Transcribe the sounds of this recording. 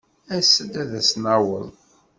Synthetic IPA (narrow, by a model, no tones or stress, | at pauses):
æsəd̪æðæsnawəðˤ